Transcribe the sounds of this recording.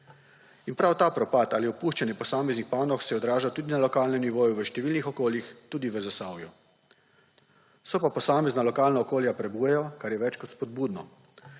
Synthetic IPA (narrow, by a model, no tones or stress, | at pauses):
inpɾawt̪aːpɾɔpat̪aːliɔpuːʃt͡ʃanjɛpɔsaːmɛznixpaːnɔxsɛɔd̪ɾaːʒat̪uːd̪inalɔkaːlnɛmniʋoːjuʋəʃt̪ɛʋiːlnixɔkoːljixt̪uːd̪iʋəzasaːwju | sɔpapɔsaːmɛznalɔkaːlnaɔkoːljapɾɛbujɛjɔkaɾjɛʋɛt͡ʃkɔt̪spɔd̪̚buːd̪nɔ